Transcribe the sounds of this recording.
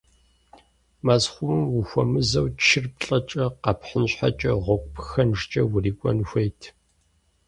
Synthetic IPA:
mazχʷʊmɨmwuxʷɔmɨzɐwt͡ʃʰɪrpɬʼɐt͡ʃʼɐqɐpħənɕħa̰t͡ʃʼɐʁʷɔkʷʼpʰxɐnʐt͡ʃʼɐwʊriːkʷʼɔ̰nxʷejtʰ

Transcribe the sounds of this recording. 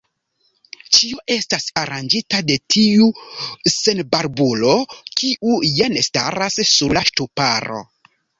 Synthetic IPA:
t͡ʃioʔe̞stasaɾand͡ʒitade̞tʰiuse̞nbaɾbulo̞kʰiʔujenstaɾasːuɾlaʃtupaɾo̞̰

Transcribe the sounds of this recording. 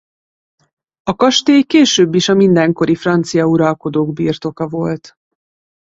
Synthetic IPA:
ɒkɒʃt̪eːjkeːʃøːbːiʃɒmind̪ɛŋko̞ɾifrɒnt̪sijɒuɾɒlko̞d̪oːɡbirt̪o̞kɒvo̞lt̪

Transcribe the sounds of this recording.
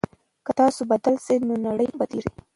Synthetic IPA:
kət̪ɑsobad̪alsenonaɽəjbad̪iɾi

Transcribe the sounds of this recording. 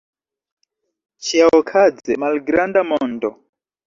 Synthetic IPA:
t͡ʃʰiaɔkʰad͡zɛmaliɡiɾandamɔːndɔ

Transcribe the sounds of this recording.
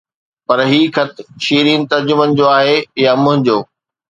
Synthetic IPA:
pɐɾɦiːkʰɐt̪̆ʰʃiːɾiːnɪ̆t̪ɐɾd͡ʑʊmənɪ̆d͡ʑoːaːɦejamʊ̃ɦɪ̃ɲd͡ʑoː

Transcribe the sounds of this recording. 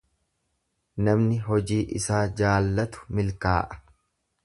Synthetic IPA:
nɐmnɪɦɔd͡ʒiːʔɪsaːd͡ʒaːlːɐt̪ʊ̥mɪlka̰ːʔɐ̥

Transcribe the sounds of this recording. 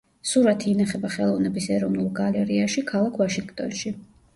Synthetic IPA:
suɾat̪ʰiːnaχɛbaχɛlˠɔvnɛbisɛɾɔvnulˠɡalɛɾiaʃikʰalˠakʰvaʃiŋɡt̪ʼɔnʃi

